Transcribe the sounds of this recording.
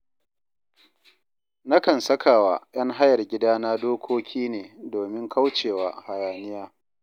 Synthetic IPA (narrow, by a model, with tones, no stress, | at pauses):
na˦kɐ˨nsɐ˦kʰaː˨waː˨j̰ɐ˦ŋɦa˦jɐ˨rɡʲɪ˦daː˦naː˦doː˦kʷʰoː˦kʲʰiː˦neː˨doː˨mɪ˦ŋkʰa˦wt͡ʃeː˨waː˨ha˨jaː˨nɪ˦jaː˦